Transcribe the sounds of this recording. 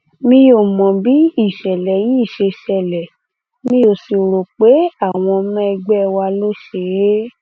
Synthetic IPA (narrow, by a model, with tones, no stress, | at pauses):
mĩ˧jo˦˨mɔ̃˨bi˨˦i˦˨ʃɛ˨lɛ˨jĩ˦i˦˨ʃe˧ʃɛ˨lɛ˨ | mĩ˦jo˨si˨ɾo˨k͡pe˨˦a˦˨w̃ɔ̃˧mɛ̃˦˧ɡ͡bɛ˦˧wa˧lo˦ʃe˧˨e˦